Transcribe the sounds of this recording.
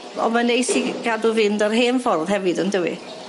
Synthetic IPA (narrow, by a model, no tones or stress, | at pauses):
ɔ̰manejsiɡaduvɪndərɦeːnfɔrðhɛvɨdəndəwḭ